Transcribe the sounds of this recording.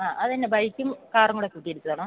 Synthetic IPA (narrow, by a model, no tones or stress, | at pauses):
aːʔɐðɨɐnːebɐjkʲːumkaːrɐŋːuɽekːuʈːijeɾik̪ːɐðaːɳo